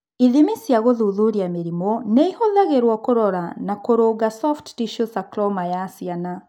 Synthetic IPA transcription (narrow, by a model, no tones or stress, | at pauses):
iðimisjaɣoðuðuɾiameɾimɔneihoðaɣeɾwɔkoɾɔɾanakoɾoːɡasɔfttiʃusaklɔmajaːsiana